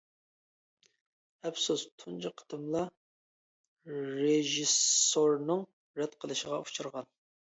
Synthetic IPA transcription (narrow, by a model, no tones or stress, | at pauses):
ɛpsust̪ʰunt͡ʃɨqʰə̥t̪ʰɨmlˠɑ | ɾeʒisoɾnɨŋ | ɾɛt̪qʰəlˠɨʃəʁɑu̥t͡ʃʰuɾʁɑn